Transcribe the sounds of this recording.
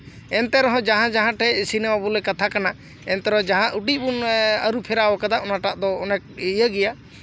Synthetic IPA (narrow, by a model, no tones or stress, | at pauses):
ɛnt̪ɛɾɔɦɔ̃d͡ʒaɦãd͡ʒaɦãʈʰɛsinɛmabulɛkat̪ʰakana | ɛnt̪ɛɾɔɦɔ̃d͡ʒaɦãʔuʈibunəɾupʰɛɾawɔkad̪aʔɔnaʈaʔd̪ɔːnɛk̚jəɡɛja